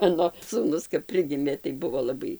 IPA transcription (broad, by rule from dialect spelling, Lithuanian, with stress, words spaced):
ˈmɑːnoː suːˈnʊs kɐp ˈpʲrʲɪɡʲɪmʲeː tɐɪ ˈbʊʋoː lˠɐˈbɐɪ